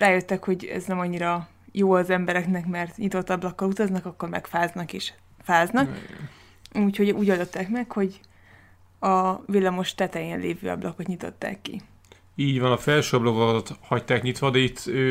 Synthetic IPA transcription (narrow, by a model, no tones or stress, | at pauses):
raːjøt̪ːɛkho̞ɟɛ̰znɛmɒɲːiɾɒ | joːɒzɛmbɛɾɛknɛkmɛrt̪ɲit̪o̞t̪ːɒblɒkːɒlut̪ɒznɒkɒkːo̞rmɛ̰kfaːznɒkeːʃ | faːznɒk | uːcho̞ɟuːɟɒlːøt̪ːɛkmɛkho̞ɟ | ɒvilːɒmo̞ʃt̪ɛt̪ɛjɛnleːvø̰ːɒ̰blɒkot̪ɲit̪o̞̰t̪ːa̰ːkːḭ | iːɟvɒnɒfɛlʃøɒblokokt̪hɒct̪aːkɲit̪ʋɒd̪ɛit̪ʰːøː